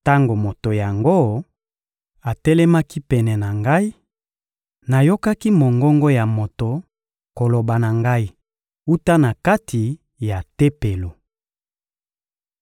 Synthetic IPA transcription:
ta˦ŋɡo˨mo˨to˨ja˨ŋɡo˦ | a˨tɛ˦lɛ˦ma˦ki˦pɛ˨nɛ˨na˨ŋɡa˦i˦ | na˨jo˦ka˦ki˦mo˨ŋɡɔ˦ŋɡo˦ja˨mo˨to˨ | ko˨lo˨ba˨na˨ŋɡa˦i˦ | u˦ta˦na˨ka˦tʰi˨ | ja˨tɛ˦pe˨lo˨

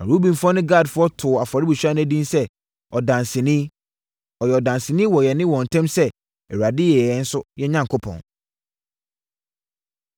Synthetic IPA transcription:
ã̰˨ɾu˦bĩ˨n˨fɔ˦nʊ̃˦ɡa˦˨dfʊ˦ɔ˦tʰʊ˨a˨fa˨ɾɪ˦bu˨ɕᶣa˦ñ˦æ˦dĩ˦nsɛ˦ | ɔ˨dã˨nsɪ̃˨nĩ˦ | ɔ˨jɛ˨ɔ˨dã˨nsɪ̃˨nĩ˦wɔ˨jɛ˨nɪ̃˦wɔ̃˨n̩˨tʰɛ̃˦msɛ˦ | ɛ˨ɥa˨dɪ˦jɛ˨ɛ˨˦n̩˦sʊ˦jɛ˦ɲã˦˨ŋ˨kʰʊ˦pʰɔ̰̃˨n

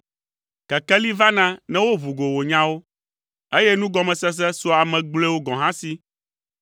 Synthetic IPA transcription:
kɛ˨kɛ˦li˦va˦nã˦nɛ̃˦wo˦βu˨ɡo˨wo˨ɲã˦wo˦ | e˦jɛ˦nũ˦ɡɔ˦mɛ̃˨sɛ˦s̬ɛ˦so˦a˨mɛ̃˨ɡ͡ble˦wo˦ɡɔ̃˨ɦã˦si˦

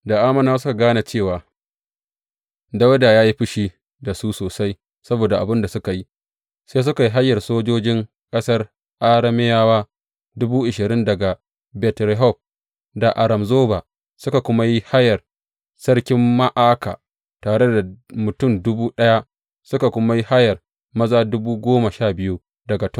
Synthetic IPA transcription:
da˨ʔaː˦mɐ˦naː˦s̬ʊ˦ka˨ɡaː˦na˨t͡ʃeː˦˨waː˨ | da˦wda˨jaː˦ji˦ɸɪ˦ʃiː˦ | da˨suː˦soː˨sa˦j | sɐ˦boː˨da˨ʔa̰˨bɪ˦nda˨sʊ˦ka˨ji˦ | seː˦s̬ʊ˦ka˨ji˦ɦa˦jːɐ˨rsoː˦d͡ʒoː˦d͡ʒɪ˦ŋ | kʼɐ˦sɐ˦r | ʔa˦ɽɐ˦mɪ˦jaː˦waː˦ | dʊ˦buː˦ʔɪ˨ʃɪ˨ɾɪ˦ndɐ˨ɡa˨ | bɛ˨tɾɛ˦ɦɔ˦˨p̚ | da˨ʔa˨ɾɐ˨mzoː˦ba˨ | sʊ˦ka˨kʷʊ˦ma˦ji˦ha˦jɐ˨r | sɐ˦rkʲɪ˦mːa˦ʔaː˦ka̰˨ | taː˨ɽe˦da˨mʊ˨tʊ˦˨mdʊ˦buː˦ɗɐ˦ja˦ | sʊ˦ka˨kʷʊ˦ma˦ji˦ha˦jɐ˨r | mɐ˦zaː˦dʊ˦buː˦ɡʷoː˦ma˨ʃaː˦˨bɪ˦ju˦ | dɐ˨ɡa˨tɔ˦

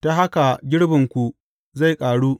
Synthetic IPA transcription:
ta˦ɦa˦ka˨ɡʲɪ˦ɽbɪ˨ŋkʷu˨ | za˦˨jkʼaː˨ɽuː˦

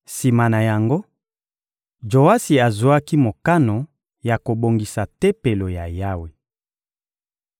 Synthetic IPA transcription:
si˨ma˨na˨ja˨ŋɡo˦ | d͡ʒo˨a˦si˨a˨zo˨˦a˦ki˦mo˨ka˦no˨ | ja˨ko˨bo˨ŋɡi˨sa˨tɛ˦pe˨lo˨ja˨ja˦we˨

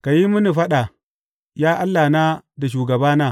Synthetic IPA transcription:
ka˨ji˦mu˦ni˨ɸa˦ɗa˨ | jaː˦ʔa˦lːa˨na˦da˨ʃ̬uː˨ɡɐ˨baː˦na˦˨

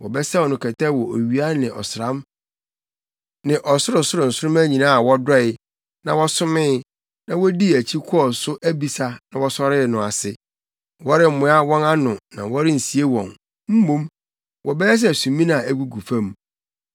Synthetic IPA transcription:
wɔ˨bɛ˦sɛ˦ɔ˨nʊ̃˨kʰɛ˨tʰɛ˦wɔ˨o˨ɥi˨˦a˦nɪ̃˨ʔɔ̰˨sʊ˨ɾã˦m | nɪ̃˨ʔɔ˨sʊ˦ɾʊ˨sʊ˦ɾʊ˨n̩˨sʊ˦ɾʊ̃˦mæ˦ɲĩ˨nã˦a˨wɔ˦dɔ˦ɪ˨ | nã˨wɔ˦sʊ˦mɪ̃˦ | nã˨wɔ˦di˦æ˨t͡ɕʰi˦kʰʊ˦ɔ˨sʊ˦ʔæ˦bi˨sa˨nã˨wɔ˦sɔ˦ɾɪ˦˨nʊ̃˨a˨sɪ˨ | wɔ˦ɾɪ˦m̩˨mʊ̃˨˦a˦wɔ̃˦na˦nʊ̃˨nã̰˨wɔ˦ɾɪ˦n̩˨si˨e˦wɔ̰̃˨n | m̩˦mõ˦m | wʔɔ˨bɛ˦jɛ˦s̬ɛ˦˨æ˨sũ˨mĩ˦nã˨æ˨ɡu˨ɡu˨fã˦m

